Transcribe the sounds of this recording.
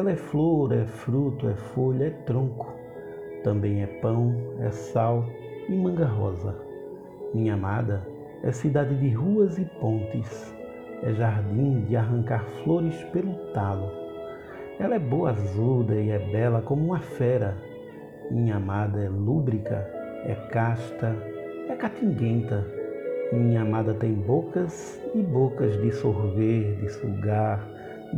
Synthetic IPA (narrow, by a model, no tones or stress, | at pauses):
ɛlɐɛfloɾɛfɾut̪ʊɛfoʎɐɛt̪ɾõkʊ̥ | t̪ɐ̃mbẽj̃ɛpɐ̃w̃ɛ̰saw | ɪmɐ̃ɡɐɦɔ̰zɐ̰ | mĩɲɐamad̪ɐ | ɛ̰sid̪ad̪ɪd̪ɪɦuɐzɪpõnt̪ɪs | ɛʒaɾd̪ĩd̪ɪaɦɐ̃ŋkaɾfloɾɪspelʊt̪alʊ | ɛlɐɛboɐazud̪ɐiɛbɛlɐkõmʊũmɐfɛɾɐ | mĩɲɐamad̪ɐɛlubɾikɐ̰ | ɛ̰kaʃt̪ɐ | ɛkat̪ĩŋɡẽnt̪ɐmĩɲɐamad̪ɐt̪ẽj̃bokɐz | ɪbokɐzd̪ɪsoɾveɾd̪ɪsuɡaɾ